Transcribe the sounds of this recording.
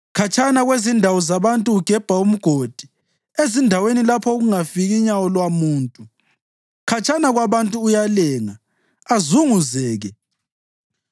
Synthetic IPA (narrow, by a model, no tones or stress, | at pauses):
kʰat͡ʃʰʼanaɣwezindʱawɔzaβantʼuuɡ̥ʱɛb̥ʱaum̩ɡ̥ʱod̥ʱi | ezindʱawenilapʰɔɣuŋafiɣiɲawɔlwamuːntʼu | kʰat͡ʃʰʼanaɣwaβantʼuːjalɛːŋaː | zuŋuzɛːɣɛ